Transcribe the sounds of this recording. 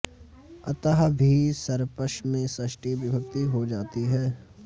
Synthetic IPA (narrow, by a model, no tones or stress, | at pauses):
ɐt̪əɦbʱisɐɾpəʃmẽsɐʃʈiʋɪbʱəb̚t̪iɦod͡ʒaːt̪iɦɛː